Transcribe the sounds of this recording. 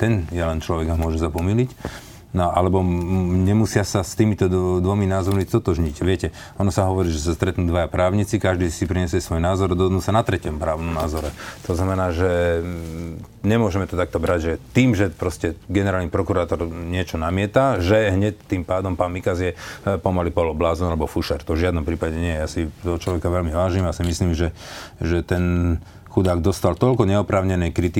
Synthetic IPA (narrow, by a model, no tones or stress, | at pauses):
t̪ɛnjɛlɛnt͡ʃlɔʋɛɡamʊɔʒɛsapɔmilic | nɔʔalɛbɔɲɛmusɪasast̪iːmit̪ɔd̪ʋɔminaːzɔɾmist̪ɔt̪ɔʒɲicʋɪɛcɛ | ɔnɔsaɦɔʋɔɾiːʒɛs̬ast̪ɾɛt̪nuːd̪ʋajapɾaːʊɲit͡sikaʒd̪iːsipɾiɲɛsjɛsʋɔjnaːzɔɾd̪ɔɦɔd̪nuːsanat̪ɾɛcɔmpɾaːʊnɔmnaːzɔɾɛt̪ɔznamɛnaːʒɛ | ɲɛmʊɔʒɛmɛt̪ɔt̪ak̚t̪ɔbɾaɟʒɛt̪iːmʒɛpɾɔscɛɡɛnɛɾaːlnipɾɔkuɾaːt̪ɔɾɲɪɛt͡ʃɔnamɪɛt̪aʒɛɦɲɛc̚t̪ːiːmpaːd̪ɔmpaːnmikazjɛpɔmalipɔlɔblaːzɔnalɛbɔfuʃɛɾt̪ɔvʒɪad̪nɔmpɾiːpaɟɛɲɪɛjɛjaːsit̪ɔɦɔt͡ʃlɔʋɛkaʋɛlmiʋaːʒimasimisliːmʒɛʒɛt̪ɛn | xud̪aːɡd̪ɔst̪alt̪ɔlkɔɲɛɔpɾaːʊɲɛnɛjkɾit̪i